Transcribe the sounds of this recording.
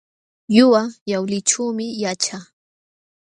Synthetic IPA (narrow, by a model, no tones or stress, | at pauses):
jʊwajawlɪt͡ʃuːmɪjat͡ʃa